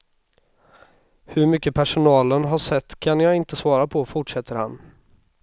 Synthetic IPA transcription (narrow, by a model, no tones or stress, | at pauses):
hɵɾmʏkːəpʰæʂʊnɑːlənɦaʂɛt̪ːkʰanjaːɡɪnt̪əsvɑːɾapʰɔfʊʈʂɛt̪ʰːəɾha̰n